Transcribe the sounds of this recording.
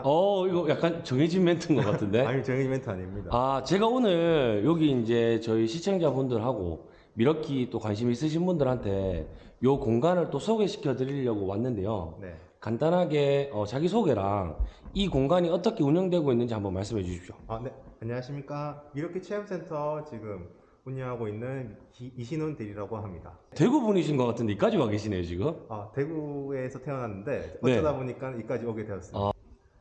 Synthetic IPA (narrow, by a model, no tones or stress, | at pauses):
ʌiɡʌjak͈̚ant͡ɕʌŋɦed͡ʑimːe̞ntʰɯnɡʌk͈atʰɯnde̞t͡ɕʌŋeimentʰaɲiɲidaat͡ɕe̞ɡaonɯɭjoɡiːnd͡ʑe̞t͡ɕʌiɕʰit͡ɕʰeŋd͡ʑabundɯɭɦaɡo̰ | miɾʌkʰit͈okwanɕ̬ʰimiːs̬͈ɯɕ̬ʰinbundɯɾɦantʰe̞ | jokoŋɡanɯɭt͈osʰoɡe̞ɕʰi̥kʰjʌdɯɾiʎjʌɡowanːɯnde̞jo̰ne | kandanɦaɡe̞ʌt͡ɕaɡis̬ʰoɡe̞ɾa̰ŋikoŋɡaɲiʌt͈ʌkʰe̞uɲʌŋdwe̞ɡoinːɯnd͡ʑihambʌnmaɭs͈ɯmɦe̞d͡ʑuɕʰi̥p̚ɕ͈o̥ane̞aɲʌɦaɕʰimɲik͈aiɾʌkʰe̞t͡ɕʰeʌms͈ʰe̞ntʰʌt͡ɕiɡɯm | uɲʌɦaɡoinːɯn | iiɕʰinonteɾiɾaɡoɦamɲida̰twe̞ɡubuniɕ̬ʰinɡʌk͈atʰɯnde̞ik͈ad͡ʑiwake̞ɕʰinɦe̞jot͡ɕiɡɯmatwe̞ɡuesʰʌtʰe̞ʌnɦanːɯnde̞ʌneʌdaboɲik͈anik͈ad͡ʑiʌɡedwe̞ʌs͈ɯa